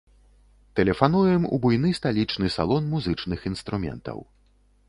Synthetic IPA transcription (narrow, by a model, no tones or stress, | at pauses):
t̪ɛlʲɛfanujɛmṵbujnɨst̪alʲit͡ʂnɨsa̰lˠɔnmuzɨt͡ʂnɨxinst̪ɾumʲɛ̰nt̪ɐ̰w